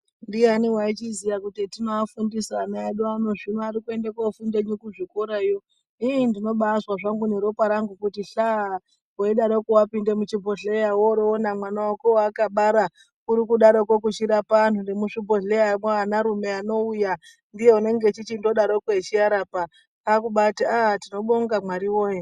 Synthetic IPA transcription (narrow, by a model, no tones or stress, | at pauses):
ndianiwait͡ʃizijakutitinoafundisanaaɗuano̞ʐinoaɾikue̞ndekofundeɲikuʐikoɾajo | ijindino̞ɓaːswaʐaŋɡuneɾo̞paɾaŋɡukutiɬa | koiɗaɾokuwapinde̞mut͡ʃibʱoɮejawoɾoːnamwanawakoakaɓaɾa | kuɾikuɗaɾokok̬ut͡ʃiɾapan̤undemuʂibʱoɮejamaanaɾume̞ano̞uja | ndije̞une̞ŋɡe̞t͡ʃit͡ʃindo̞ɗaɾo̞koet͡ʃiaɾapa | akuɓataatino̞ɓoŋɡamwaɾiwoːje